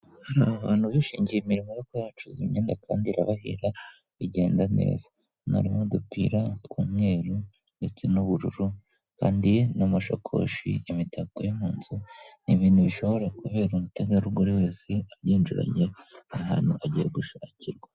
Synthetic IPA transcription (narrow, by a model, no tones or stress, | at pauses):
haɾaβaβaːn̥huβiʃiːɲɟijemiɾimojokojaːt͡ʃuzimɲeːndakʰaːndiɾa̰βahḭɾa | βiɟe̞ːndane̞̰ːz̥a | na̰ɾimodukwiːɾatkuːmŋe̞ːɾu | ndet͡se̞nuβuɾṵɾu | kaːndinomaʃo̰kʰo̰ʃḭimitakojomhuːnzuniβiːnhuβiʃo̞βo̞ɾakuβe̞ːɾumutaɡaɾuɡoɾiwe̞ːse̞aβjiːnd͡ʒuɾa̰ɲeaɦa̰ːnhuʔaɟijeɡuʃaciɾɡwa